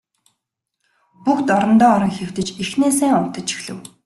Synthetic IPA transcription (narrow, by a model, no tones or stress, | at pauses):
puxt̪ɔɾɞ̆nt̪ɔːɔɾɞ̆ŋxew̥t̪ɘ̆t͡ɕixneːsæːŋʊt̪ə̆t͡ɕi̥xɮɘ̆w